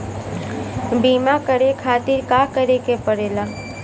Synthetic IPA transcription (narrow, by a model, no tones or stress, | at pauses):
biːmakəɾekʰaːt̪ɪɾkaːkəɾekepəɽeːlaː